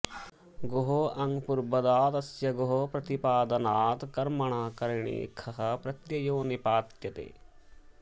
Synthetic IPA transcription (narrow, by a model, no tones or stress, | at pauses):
ɡoɦoʔɐŋɡpuɾbɐd̪aːt̪ɐsjɐɡoɦopɾɐt̪ipaːd̪ɐnaːt̪kɐɾmɐɳ̃aːkɐɾiɳḭːkʰɐɦɐ̆pɾɐt̪jɐjoːnipaːt̪jɐt̪ḛː